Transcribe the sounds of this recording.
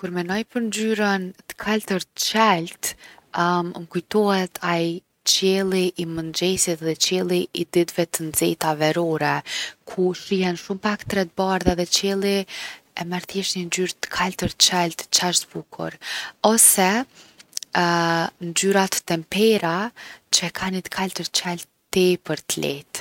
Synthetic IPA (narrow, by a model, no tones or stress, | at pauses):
kuɾmɛnɔjpəɾnd͡ʒyɾənt̪ə̥kʰalt̪əɾt͡ʃɛlt̪ | ŋkujt̪ɔhɛt̪ʰaj | t͡ɕɛlˠiʔːmənd͡ʒɛsit̪ðɛt͡ʃɛlˠiid̪it̪vɛt̪ənd͡zɛt̪avɛɾɔɾɛkʰuʃihɛnʃumpakt̪ɾɛt̪̚baɾðaðɛt͡ɕɛlˠiɛmaɾθjɛʃnind͡ʑyɾt̪ə̥kʰalt̪əɾt͡ɕɛlt̪t͡ʃaʃt̪bukʰṵɾɔsɛ | nd͡ʒyɾat̪ə̥t̪ɛmpɛɾat͡ʃəɛkʰanit̪ə̥kʰalt̪əɾt͡ʃɛlt̪ | t̪ɛpəɾt̪lɛ̰t̪